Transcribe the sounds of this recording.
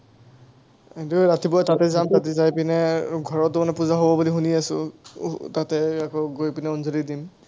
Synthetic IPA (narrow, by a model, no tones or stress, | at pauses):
etuɹatibɔtatɛzamtatɛzajpinɛɡʱɔɹɔtːʊmanɛpuzaɦobɔbulixuniasʊ̰ | tatɛakɔɡojpinɛonzolidim